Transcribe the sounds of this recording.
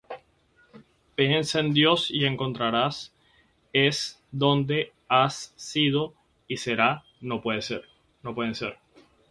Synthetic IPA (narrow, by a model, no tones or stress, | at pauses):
peenseend̪jo̞sie̞ŋko̞nt̪ɾaɾas | e̞s | d̪o̞nd̪e̞ | asːiðo̞ | ise̞ɾa | no̞pweðeseɾ | nopwe̞ð̞enseɾ